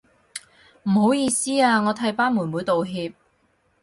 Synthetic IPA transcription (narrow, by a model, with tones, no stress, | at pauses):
m̩˨˩ho˨˥wjiː˧siː˥aː˧ŋɔː˨˧t̪ʰɐ˨˥jpaː˥nmuː˨˩nmuː˨˧jt̪o˨wɦiː˧p̚